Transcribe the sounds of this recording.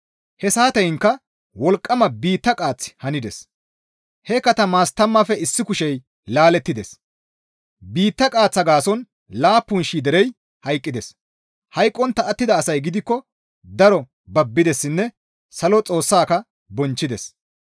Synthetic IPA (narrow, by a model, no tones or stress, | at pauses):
hɛsaːt̪ɐjɪŋkːɐ | wɔlkʼːɐmɐbiːt̪ːɐkʼaːt͡sːhɐnɪd̪ɛs | hɛkɐt̪ɐmaːst̪ɐmːɐfɛɪsːɪkʊʃɛj | laːlɛt̪ːɪd̪ɛs | biːt̪ːɐkʼaːt͡sːɐɡaːsɔn | laːpːʊnʃiːd̪ɛɾɛj | hɐjkʼːɪd̪ɛs | hɐjkʼːɔnt̪ɐʔːt̪ːɪd̪ɐːsɐjɡɪd̪ɪkːɔ | d̪ɐɾɔ | bɐbːɪd̪ɛsːɪnːɛ | sɐlɔt͡sʼo̞ːsːaːkɐ | bɔnt͡ʃːɪd̪ɛs